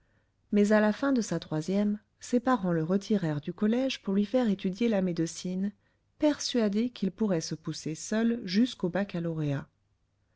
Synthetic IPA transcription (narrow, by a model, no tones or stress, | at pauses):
mɛzalafɛ̃d̪əsat̪χwazjɛm | sepaʁɑ̃ləʁət̪ʰiʁɛʁd̪ykɔlɛʒpuʁlɥifɛʁet̪yd̪jelamed̪əsin | pɛʁsɥad̪ekʰilpuʁɛsəpusesœlʒyskobakalɔʁea